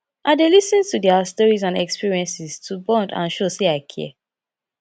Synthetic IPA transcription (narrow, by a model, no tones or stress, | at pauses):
ʔaɪdelisə̃ntudɛastɔɹizãnɛkspiɹiɛ̃nsiztʰubɔ̃ndã̰nʃoseaɪkʰɛ̰